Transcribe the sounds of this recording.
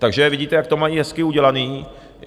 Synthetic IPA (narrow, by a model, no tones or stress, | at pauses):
t̪aɡʒɛvɪɟiːt̪ɛjakt̪omajiːɦɛskɪuɟɛlaniː